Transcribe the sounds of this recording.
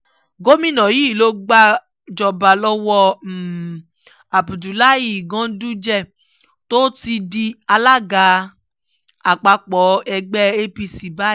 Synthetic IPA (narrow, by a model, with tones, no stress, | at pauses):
ɡo˦mĩ˦˨nã˨ji˨˦˨lo˧ɡ͡ba˧ | d͡ʒɔ˨ba˨lɔ˦wɔ˧˨ | a˨bu˨du˨la˦ji˨ɡã˨˦du˦d͡ʒɛ˦˨ | to˦ti˧di˧a˧la˦ɡa˨˦ | a˨k͡pa˨˧k͡pɔ˨˦ɛ˧ɡ͡bɛ˦e˦bi˧si˨ba˦